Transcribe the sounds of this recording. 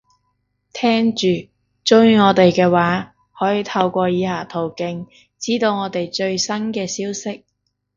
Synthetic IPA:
t̪ʰɛː˥ŋt͡ʃyː˨ | t͡sʊ˥wjyː˧ŋɔː˨˧t̪e˨jkɛː˧waː˨˥ | hɔː˨˥jiː˨˧t̪ʰɐ˧wkʷɔː˧jiː˨˧haː˨˩t̪ʰo˨˩wkɪ˧ŋ | t͡siː˥t̪o˧wŋɔː˨˧t̪e˨jt͡ʃɵ˧ɥsɐ˥nkɛː˧siː˥wsɪ˥k̚

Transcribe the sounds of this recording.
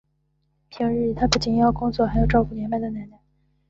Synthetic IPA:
pʰi˧˥ŋɻɻ̩˥˩t̪ʰa˥pu˥˩t͡ɕi˨˩n˥jɑ˥˩ʊkʊ˥ŋt͡swɔ˥˩xa˧˥jo˨˩ʊʈ͡ʂɑ˥˧ʊfu˥˩jɛ˧˥npa˥˩ɪd̪ə˩na˧˥na˥˧˩

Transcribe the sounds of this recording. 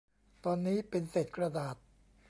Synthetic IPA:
t̪ɔː˧nːiː˦˥pe˧nse˨˩t̪̚kɾa˧daː˨˩t̪̚

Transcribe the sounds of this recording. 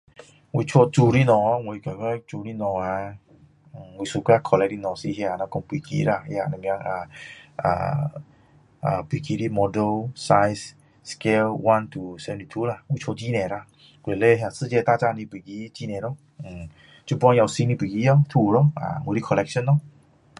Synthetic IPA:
wi˧t͡ɕʰo˧t͡su˧ɾi˦nɔ̃˨a˧˦ŋwe˧i˧ka˨ka˦t͡su˧ɾi˦nɔ̃˨˩a˧˨ | we˧su˧ka˦kʰɔ˧lɛ˧k̚ɾi˦nɔ̃˨si˧ɦja˧˨nã˧kɔ˦ŋpi˨kḭ˦la˧˩hja˧˨nã˧m˧ã˧ŋa˧˨a̰˨ | a˨pi˨ki˦ɾi˦mɔ˧də˧lsa˧js | ske˧lwa˧˦nt̪u˨sɛ˧ni˨˧t̪ʰu˦la˧˨wi˧˦t͡ʃʰo˧d͡ʑi˦nɛ̃˨ɾa˧ | ɡe˨le˦ɦja˧sɨ˦˧d͡ʑe˧t̪a˦t͡ɕa˧nĩ˧pe˨ɡi˧˦t͡ɕi˦nɛ̃˨ɾɔ˦ | ŋ̩˨˩ | t͡ɕu˧˦pã˧˦˧a˧wsi˧nĩ˧pi˨ɡi˧˦a˧t̪ʰu˧lɔ˦a̰˨we˨˧ɾi˦kʰɔ˧lɛ˧kʃə˦nːɔ˦

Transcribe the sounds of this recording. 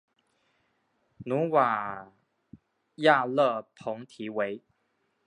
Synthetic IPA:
nu˨˦wa˨˩ | ja˥˧lə˥˧pʰɔ˨˦ŋt̪ʰi˨˦we˨˦j

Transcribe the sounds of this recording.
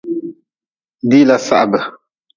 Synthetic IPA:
di˦la˦sa̰˦ʔbə˨

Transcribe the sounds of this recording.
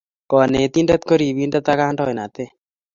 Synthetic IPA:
kɔ˨ne˨t̪i˦ndɛ˦t̪ko˦ɾi˨wi˦ndɛ˦t̪a˦ka˦ndɔ˦ɪ˨na˨t̪e˦

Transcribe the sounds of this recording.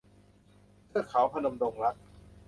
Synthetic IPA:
pʰɯ˥˩əkʰːa˩˦wpʰa˧no˧mdo˧ŋɾa˦˥k̚

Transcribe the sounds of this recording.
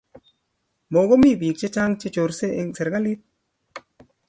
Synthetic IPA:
mo˨ɡo˦mi˦˨bi˨k̚t͡ʃe˦t͡ʃa˦ŋt͡ʃe˦t͡ʃo˨ɾse˦˧ŋsɛ˨ɾɡa˦li˦t̪̚

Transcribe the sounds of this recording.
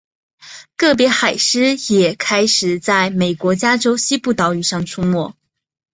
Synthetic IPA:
kɤ˥˩p̬jɛ˧˥xa˨˩ɪʂɻ̩˥jɛ˨˩kʰa˥ɪʂɻ̩˨˩t͡sa˥˩ɪme˨˩ɪkwɔ˧˥t͡ɕja˥ʈ͡ʂo˥ʊɕi˥pu˥˩t̪ɑ˧˥ʊy˨˩ʂɑ˥˩ŋʈ͡ʂʰu˥mwɔ˥˩

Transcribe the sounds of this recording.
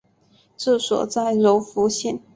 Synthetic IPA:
ʈ͡ʂ̩˥˩swɔ̰˨˩t͡sa˥˩ɪɻo˧˥ʊfu˧˥ɕɛ˥˩n

